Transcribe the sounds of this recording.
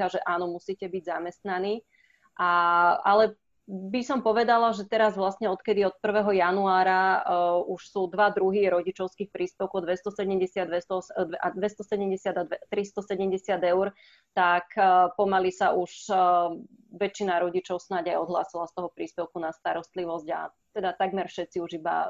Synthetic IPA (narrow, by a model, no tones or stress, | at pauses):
aʒɛʔaːnɔmusiːcɛbiɟzamɛst̪naniː | ʔaalɛ | bisɔmpɔʋɛd̪alaʒɛt̪ɛɾazʋlasɲɛɔt̪kɛd̪iɔt̪̚pr̩ʋɛɦɔjanuaːɾa | uʃsuːd̪ʋad̪ɾuɦiɾɔɟit͡ʃɔʊskiːxpɾiːspɛʊkɔd̪ʋɛst̪ɔsɛɟɛmɟɛsɪad̪ʋɛst̪ɔsɛd̪ʋɛʔad̪ʋɛst̪ɔsɛɟɛmɟɛsɪad̪aɛt̪ɾist̪ɔsɛɟɛmɟɛsɪad̪ɛʊɾ | t̪akpɔmalisaʔuʃ | ʋɛt͡ʃːinaɾɔɟit͡ʃɔʊsnaɟajɔd̪ɦla̰ːsilast̪ɔɦɔpɾiːspɛʊkunast̪aɾɔst̪liʋɔzɟa̰ | t̪ɛd̪at̪aɡmɛɾfʃɛt̪t͡siuʒiba̰